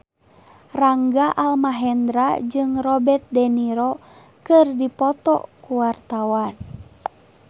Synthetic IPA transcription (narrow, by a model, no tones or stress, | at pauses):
raŋɡaʔalmaɦɛnd̪ɾad͡ʒɨŋrɔbɛt̪̚dɛniɾɔ | kɨrdipɔt̪ɔ̰kuwart̪awan